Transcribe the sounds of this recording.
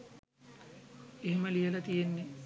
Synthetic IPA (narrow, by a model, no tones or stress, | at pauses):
eɦeməlijəlat̪ijenːe